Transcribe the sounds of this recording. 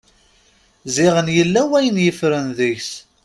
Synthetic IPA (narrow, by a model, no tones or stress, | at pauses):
zɪʁənjəlːæwæjənjəfɾənðiçs